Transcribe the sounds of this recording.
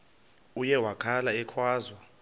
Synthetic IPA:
ujɛwakʰalaɛkʰwaːzwa

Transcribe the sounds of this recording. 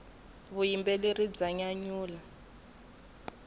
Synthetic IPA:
βujimbɛlerid͡zaɲaɲuːla

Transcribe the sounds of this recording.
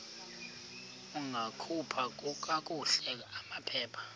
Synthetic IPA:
uŋʱakʰupʰak̬ʼuk̬ʼak̬ʼuɬɛk̬aamapʰɛːpʰḁ

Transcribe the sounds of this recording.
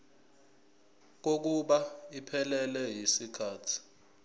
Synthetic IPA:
k̬ok̬uɓaipʰɛlɛlɛjisikʰaːtʰi̥

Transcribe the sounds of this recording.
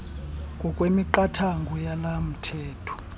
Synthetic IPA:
kʼɔkʼwemiǃatʰaŋɡʱɔjalam̩tʰɛːtʰɔ̥

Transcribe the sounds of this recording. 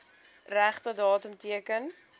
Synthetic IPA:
ræχtədɑːtəmtiəkən

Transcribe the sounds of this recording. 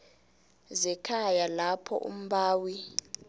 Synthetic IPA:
zɛkʰajalapʰɔ̰ʔṵm̩ɓaːwi

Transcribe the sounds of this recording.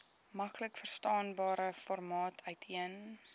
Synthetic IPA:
mɐkləkfərstɑːnbɑːɾəfɔrmɑːtʰœɥtʰiən

